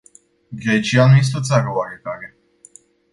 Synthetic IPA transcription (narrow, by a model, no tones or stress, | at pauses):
ɡɾet͡ʃianuje̞s̬t̪eot̪saɾəoaɾe̞t̪aɾe̞